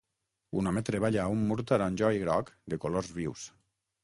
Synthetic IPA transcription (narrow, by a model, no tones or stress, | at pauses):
ṵnamet̪ɾeβaʎaumːuɾt̪aɾanʲʒɔiɣɾɔkd̪ekolorzβiws